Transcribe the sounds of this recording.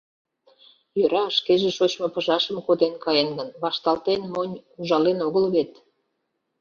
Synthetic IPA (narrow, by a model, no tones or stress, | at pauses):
jøɾɑʃkeʒeʃot͡ɕmopəʒɑʃəmkod̪enkɑjenɡənβɑʃt̪ɑlt̪enmonʲuʒɑlenoɣəlβet̪